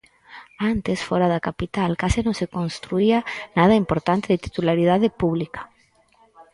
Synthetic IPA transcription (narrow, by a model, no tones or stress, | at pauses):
ant̪esfoɾaðakapit̪alkasinõnsekonst̪ɾuianaðaimpoɾt̪ant̪eðet̪i̥t̪ulaɾiðaðepuβlikḁ